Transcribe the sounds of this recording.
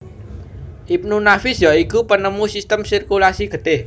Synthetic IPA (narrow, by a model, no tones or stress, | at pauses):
ʔip̚nunafisjɔikupənəmusist̪əmsirkulasiɡ̥ə̤t̪eh